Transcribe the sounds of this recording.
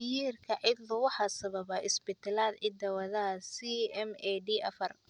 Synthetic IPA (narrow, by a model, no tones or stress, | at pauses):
jiːrkʰɐʕɪd̪lʊwɑħɑːsɐβɐβɐʔɪsbɪt̪ʰɛlaːd̪ʕɪd̪ɐwɐðɐsiɛmɛɖiːʔɐfɐr